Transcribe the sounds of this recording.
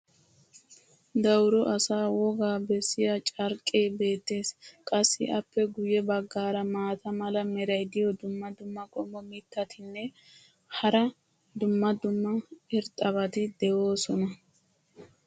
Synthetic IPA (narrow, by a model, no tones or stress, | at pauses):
d̪ɐwɾɔʔɐsaːwɔɡaːbɛsːɪjɐt͡ʃʼɐɾkʼːeːbe̞ːt̪ːe̞ːskʼɐsːɪʔɐpːɛɡʊjɛbɐɡːaːɾɐmaːt̪ɐmɐlɐmɛɾɐjd̪ɪjɔd̪ʊmːɐd̪ʊmːɐkʼɔmːɔmɪt̪ːɐt̪ʰɪnːɛ | hɐɾɐ | d̪ʊmːɐd̪ʊmːɐɪɾt̪ʼːɐbɐt̪ɪd̪ɛwoːsɔnɐ